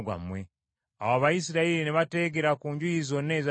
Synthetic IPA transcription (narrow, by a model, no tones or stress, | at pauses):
ɡwa̰mwe | a̰βaβajisiɾaiɾineβate̞ːɡe̞ɾakuːɲɟujizo̞ne̞ːza